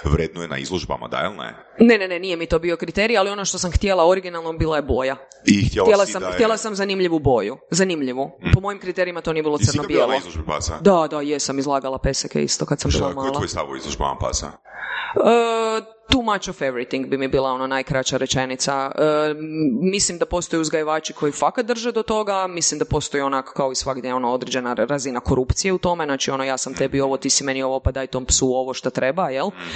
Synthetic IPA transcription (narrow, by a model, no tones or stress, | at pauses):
ʋɾeːd̪nojena̰ḭzlˠoʒba̰ma̰d̪a̰ilˠnḛ | ne̞ne̞nenijemit̪o̞ːbio̞kɾit̪e̞ɾijalio̞no̞ʃt̪o̞samxt̪jelˠao̞ɾiɡinalˠnobiːlˠajebo̞ja | ixt̪eljelasamt̪jelasamzanimʎiʋubo̞juzanimʎiʋupo̞mo̞jimkɾit̪eɾiimat̪o̞nie̞bilo̞rnobjelˠozlˠoʒbipa̰sa̰d̪ad̪ajesamizlˠaːɡalˠape̞sekḛḭst̪o̞kat̪sambilˠamaolˠaojst̪a̰ʋoḭzlˠoʒba̰ma̰pa̰sa̰ | ə | t̪umat͡ʃofeʋɾit̪iŋɡbimibiːlˠao̞nonajkɾat͡ʃaɾet͡ʃenit̪saə | mislimd̪apo̞st̪o̞juzɡajeʋaːt͡ʃikʰo̞jifakat̪̚d̪r̩ʒed̪o̞t̪o̞ɡamislimd̪apo̞st̪o̞juonako̥kaoisʋaɡd̪jejo̞noo̞d̪ɾed͡ʒe̞naɾazinako̞ɾupt̪sije̞ut̪o̞meznaːt͡ʃio̞nojaːsamt̪ebio̞ʋot̪isimenio̞ʋopad̪aːjt̪ompsuo̞ʋoʃt̪at̪ɾebajel